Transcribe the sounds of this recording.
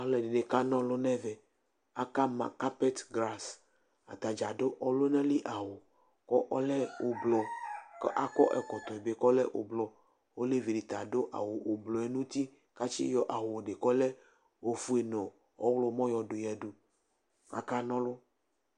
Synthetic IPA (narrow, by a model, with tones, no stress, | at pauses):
a˨le˨ɖe˨ɖe˨ka˦nɔ̃˦lo˦nɛ̃˦vɛ˨ | a˨ka˦mã̰˨ka˦pe˦t̪ɡla˦s | a̰˨t̪a˨d͡ʒa˨ɖo˦ʔɔ˦lo˦nɛ̃˦li˦ʔa˨wo˨ | kɔ˦ʔɔ˦le˦o˨blɔ˨kʔa˦kɔ˦ʔɛ˨kɔ˨t̪ɔ˨e˨be˦kɔ˦le˦ʔo̰˨blɔ˨ | wo˦le˦vi˨ɖi˨t̪a˨ɖo˦ʔa̰˨wo˨o˨blɔ˨e˦nũ˦t̪i˦ | ka˦t͡ʃḭ˦jɔ˦ʔa˨wo˨ɖe˨kɔ˦le˦ | wo˨fu˦e˨nɔ̃˨ | ɔ̰˦wlo˦mɔ̃˦jɔ˨ɖo˨jɛ˨ɖo˨ | a̰˨ka˦nɔ̃˦lo˦